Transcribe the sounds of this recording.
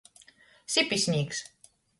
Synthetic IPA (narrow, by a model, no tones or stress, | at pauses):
sipʲisʲnʲiːks